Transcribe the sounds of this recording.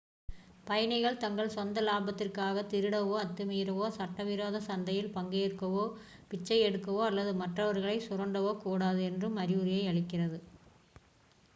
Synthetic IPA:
pɐjɐnɐɪɣɐɭt̪ɐŋɡɐɭsʋɐnd̪ɐlaːbɐt̪ːɪrkaːɣɐt̪ɪɾɯɽɐʋoːɐt̪ːɯmiːɾɐʋoːsɐʈːɐʋɪɾoːðɐsɐnd̪ɐjɪlpɐŋɡeːɽkːɐʋoː | pɪt͡ʃːɐɪɛɽɯkːɐʋoːɐlːɐðɯmɐʈrɐʋɐɾɣɐɭɐɪsʊrɐɳɖɐʋoːkuːɽaːðɯɛndrɯmɐɾɪʊɾɪjɐɪɐɭɪkːɪrɐðɯ

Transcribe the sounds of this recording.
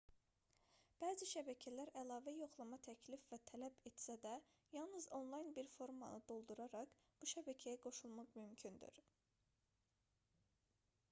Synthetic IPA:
b̥æːziʃæbæcʰælæɾælˠɑːvæjo̞χlˠɑmɑt̪ʰæcʰlifvæt̪ʰælæbet̪sæd̪æ | jɑlˠnɯzo̞nlˠɑjnbiɾfo̞ɾmɑ̰nɯd̪o̞lˠd̪uɾɑɾɑkb̥uʃæbæcʰæjæɡo̞ʃulˠmɑqmymcʰynd̪y̰ɾ

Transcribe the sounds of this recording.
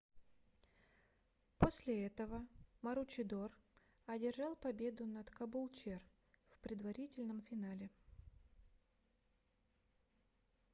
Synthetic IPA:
posʲlʲɪɛt̪əvəməɾʊt͡ɕɪd̪or | ɐdʲɪrʐɑlˠpɐbʲe̞d̪ʊnɐt̪kɐbʊlˠt͡ɕer | fpɾʲɪd̪vɐɾʲitʲɪlʲnəmfʲɪnalʲɪ

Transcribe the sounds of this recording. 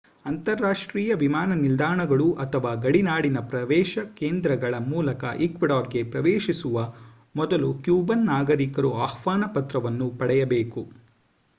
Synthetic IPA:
ɐnt̪ɐɾːaːʂʈɾiːjɐʋimaːnɐnild̪aːɳɐɡɐɭuʔɐt̪ʰɐʋaːɡɐɽinaːɽinɐpɾɐʋɛːʃɐkeːnd̪ɾɐɡɐɭɐmuːlɐkɐ̰ʔikʋiɽɔːɾɡe̞pɾɐʋeːʃisuʋɐ | mɔd̪ɐlukjuːbɐnːaːɡɐɾikɐɾuaːhʋaːnɐpɐt̪ɾɐʋɐnːupɐɽɛjɐbeːku

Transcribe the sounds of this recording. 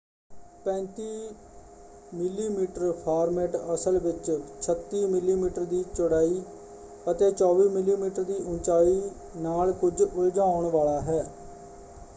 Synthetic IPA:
pɛ̃ːnt̪iː | mɪlːiːmiːʈəɾpʰaːɾmɛːʈəsəlʋɪt͡ʃt͡ʃʰət̪ːiːmɪlːiːmiːʈəɾd̪iːt͡ʃʊɽaːiː | ət̪eːt͡ʃɔːʋiːmɪlːiːmiːʈəɾd̪iːʔʊnt͡ʃaːiː | naːlkʊd͡ʒʊld͡ʒãːʊɳʋaːlaːɦɛː

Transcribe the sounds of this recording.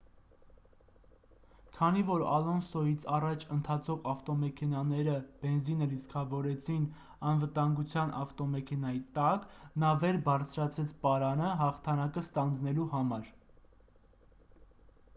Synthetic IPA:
kʰɑnivɔɾɑ̰lɔnsɔjit͡sʰɑrɑt͡ʃʰənt̪ʰɑt͡sʰɔʁɑft̪ɔmɛkʰɛnɑnɛɾəb̥ɛnzinəliskʰɑvɔɾɛt͡sʰin | ɑnvət̪ɑŋɡut͡sʰjɑnʔɑft̪ɔmɛkʰɛnɑjit̪ɑknɑvɛɾbɑɾt͡sʰɾɑt͡sʰɛt͡sʰpɑɾɑnəɦɑχt̪ʰɑnɑkəst̪ɑnd͡znɛluhɑmɑɾ

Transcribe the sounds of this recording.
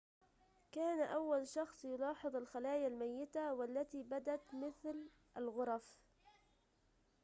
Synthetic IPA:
kaːnaʔawːalʃɑxsˤjʊlɑːħɨðˤalxalaːjalmajːɪt̪awalːat̪ibad̪at̪mɪθl | ʔalɣʊɾˤɑf

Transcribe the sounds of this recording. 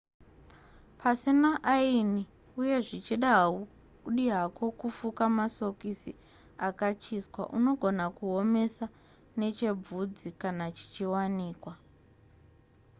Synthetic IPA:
pʰasinaʔaini | uje̞ʐit͡ʃiɗaɦu | ɗiɦako̞kufukamaso̞kisi | akat͡ʃiskwa̰ʔuno̞ɡʱo̞nakuo̞me̞sa | ne̞t͡ʃe̞b͡vud͡zikanat͡ʃi̥t͡ʃiwaniːkwa

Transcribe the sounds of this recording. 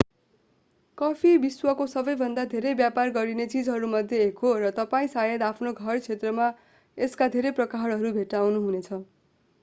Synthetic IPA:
kʌpʰibiswʌkosʌbʌjbʱʌnd̪ad̪ʱeɾʌjbjaparɡʌɾinet͡sid͡zɦʌɾumʌd̪ʱjeɦekʰoɾʌt̪ʌpaĩsajʌd̪apʰnoɡʱʌrt͡sʰet̪rʌma | eskad̪ʱeɾʌjprʌkaɦʌɽʌɾubʱeʈawnuɦunet͡sʰʌ

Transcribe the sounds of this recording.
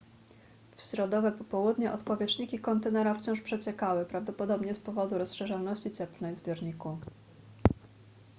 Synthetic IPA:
fɕɾɔd̪ɔvɛpɔpɔwud̪ɲɛʔɔt̪pɔvʲjɛt͡ʂɲikʲikɔnt̪ɛnɛɾaft͡ɕɔ̃w̃ʂpʂɛt͡ɕɛkawɘpɾavd̪ɔpɔd̪ɔbɲɛspɔvɔd̪uɾɔsʂɛʐalnɔɕt͡ɕit͡ssɛplnɛjzbʲjɔɾɲiku

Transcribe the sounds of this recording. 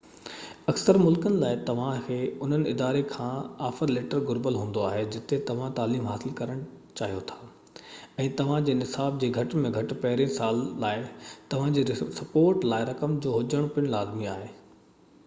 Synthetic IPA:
ɐksəɾmʊlkənɪ̆laːɪt̪ɐʋ̤ãkʰeːʊn̤ənɪ̆ɪd̪aːɾekʰãːaːfəɾleːʈəɾɡʊɾbəlɦũːn̆d̪oaːɦed͡ʑɪt̪et̪ɐʋ̤ãt̪aːliːmɦaːsɪlkɐɾəɽ̃t͡ɕaːɦijot̪ʰḁː | ɛ̃ːt̪ɐʋ̤ãd͡ʑeːnɪsaːb̚d͡ʑeːɡʱɐʈmẽɡʱɐʈɪpɐɦɪɾĩsaːlːaːɪt̪ɐʋ̤ãd͡ʑeːsɐpoːɾʈlaːɪɾɐkəmd͡ʑoːɦʊd͡ʑəɽ̃pɪ̃laːzmiaːɦeː

